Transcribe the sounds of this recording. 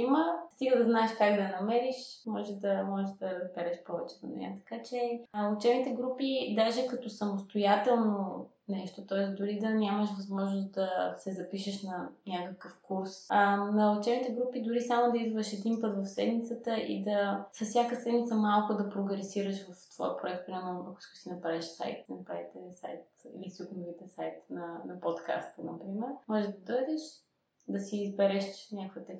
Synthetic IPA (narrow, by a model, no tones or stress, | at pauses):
iməst̪iɡəd̪ɐznaɛʃkaɡd̪ɐnɐmɛɾiʃmɔʒɛd̪ɐmɔʒɛʃd̪ɐzbɛɾɛʃpɔvɛt͡ʃɛvo̰nɛ̰jə̰t̪ɐ̥kat͡ʃɛʊt͡ʃɛbnit̪ɛɡɾupid̪aʒɛkɐt̪ɔsɐmʊst̪ojat̪ɛlˠno | nɛʃt̪ot̪ɔɛsd̪ʊɾid̪ɐnʲaməʃvɐzmɔʒnost̪̚d̪ɐsɛzɐpiʃəʃnɐnʲakəkəfkuɾsnɐot͡ʃɛnit̪ɛɡɾupid̪ʊɾisamod̪ɐizvəʃɛd̪inpɤt̪vɐfsɛd̪mit̪sət̪əʔḭd̪ɐsɐssʲjakəsɛd̪mit̪səmalˠkʊd̪ɐpɾoɡɾɛsiɾəʃvɐft̪v̥ɔ̰jəpɾoʊɛkt̪̚pɾʲɛmoɐkʊ̥ssinɐpɾaviʃsa̰jt̪sinɐpɾavit̪ɛsa̰jt̪ḭlisuknvit̪ɛsajt̪nɐnɐpot̪ka̰st̪ənɐpɾimɛɾmɔʒɛd̪ɐd̪ɔjd̪ɛʃ | d̪ɐsiːzbɛɾɛʃnʲakvit̪ɛ